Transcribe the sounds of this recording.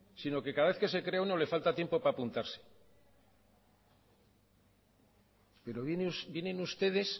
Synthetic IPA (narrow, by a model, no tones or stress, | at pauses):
sino̞ke̞kaðaβe̞θke̞se̞kɾe̞auno̞le̞falt̪at̪je̞mpo̞paːpunt̪aɾse̥ | pe̞ɾo̞βjenusbjenenust̪e̞ðe̞s